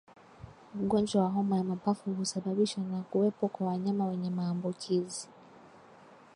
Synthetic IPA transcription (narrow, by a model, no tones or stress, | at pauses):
ɠɔnd͡ʒwawaɦɔmajamapafuɦusaɓaɓiʃwanakuwɛpɔkwawaɲamawɛɲɛmaːmbukʰizi